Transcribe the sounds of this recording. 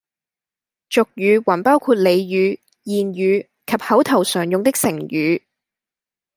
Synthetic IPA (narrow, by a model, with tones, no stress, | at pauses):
t͡ʃʊ˨k̚jyː˨˧wɐ˨˩npaː˥wkʰuː˧t̚le˨˧jjyː˨˧ | jiː˨njyː˨˧ | kʰɐ˨p̚hɐ˨˥wt̪ʰɐ˨˩wsœː˨˩ŋjʊ˨˧ŋt̪ɪ˥k̚sɪ˨˩ŋjyː˨˧˥